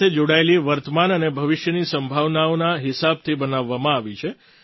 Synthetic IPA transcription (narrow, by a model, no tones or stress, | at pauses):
ed͡ʒoɽaeliʋəɾt̪əmanənebʱəʋɪʃjənisəmbʱaʋnaonaɦɪsab̚t̪ʰibənaʋːamãaʋit͡ʃʰe